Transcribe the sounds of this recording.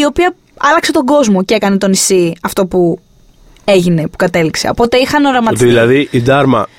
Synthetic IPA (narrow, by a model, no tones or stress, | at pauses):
io̞piɐ | ɐlɐkse̞t̪o̞ɡo̞zmo̞cekɐnet̪o̞nisiɐft̪o̞pu | e̞ʝine̞pu̥kɐt̪e̞likse̞o̞po̞t̪e̞ixɐnoɾɐmɐt̪ðilɐðiʔid̪ɐɾmɐ̰